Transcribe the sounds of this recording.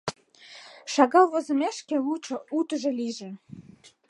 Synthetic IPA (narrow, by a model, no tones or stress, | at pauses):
ʃɑɣɑwvozə̆mæʃkeuut̪ə̆ʒĕliʒĕ